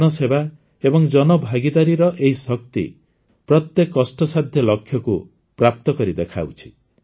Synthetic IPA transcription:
nɔseba | ebɔŋd͡ʒɔnɔbʱaɡid̪aɾiɾɔʔeɦisɔk̚t̪ḭ | pɾɔt̪jekːɔsʈɔsad̪ʱjɔlɔkʰjɔku | pɾap̚t̪ɔkɔɾid̪ekʰa̰wt͡ʃʰi̥

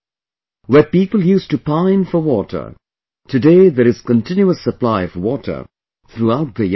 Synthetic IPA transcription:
wəpiːpəlˠjuːstupãɪ̃nfəwɔtʰə̰˞ | tʰɨdeɪðəɾɨz̥kə̃ntʰɪ̃njuəsːəplaɪʌvwɔtʰə̰˞ | θɾuaʊt̪̚ðəj

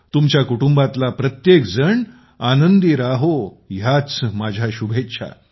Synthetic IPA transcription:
t̪umt͡ɕjakuʈumbat̪lapɾət̪jekd͡zəɳ | anənd̪iɾaɦo | jat͡smad͡ʑʱjaɕubʱetːɕʰa̰

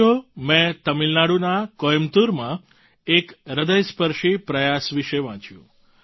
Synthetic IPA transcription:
omɛ̃t̪əmilnaɽunakɔjmt̪uɾmã | ekɾəd̪əjspəɾʃipɾəjasʋiʃeʋãt͡ʃjṵ̃

